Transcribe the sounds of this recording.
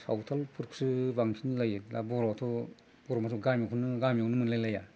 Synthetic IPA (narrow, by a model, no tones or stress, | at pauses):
sawtʰalpʰuɾksɯbaŋsʰinlajla̰bɔɾatʰɔ | b̥ɔɾɔmas̬uɡamjikʰɔnɯɡamjawnɯmɯnlajlaja